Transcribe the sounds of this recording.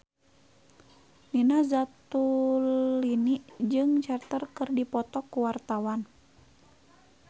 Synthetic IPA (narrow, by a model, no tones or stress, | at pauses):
ninazat̪uliniʔd͡ʒɨŋt͡ʃart̪ərkɨrdipɔt̪ɔkːuwart̪awan